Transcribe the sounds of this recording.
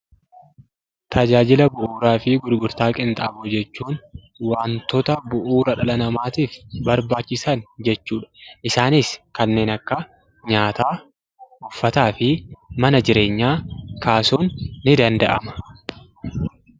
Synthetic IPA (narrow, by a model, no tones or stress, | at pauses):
t̪ʰɐd͡ʒaːd͡ʒɪlɐbʊʔuːɾaːfɪɡʊɾɡʊɾt̪aːkʼɪnt̪ʼaːbʊd͡ʒɛt͡ʃːuːn | waːnt̪ɔt̪ɐbʊʔuːɾɐᶑɐlɐnɐmaːt̪iːfbɐɾbaːt͡ʃːɪsɐnd͡ʒɛt͡ʃːuːᶑɐ̥ʔɪsaːnɪskɐnːe̞ːnɐkːɐ | ɲaːt̪aː | ʊfːɐt̪aːfɪmɐnɐd͡ʒɪɾe̞ːɲːaːkaːsuːnːɪd̪ɐnd̪ɐʔɐ̰mɐ̥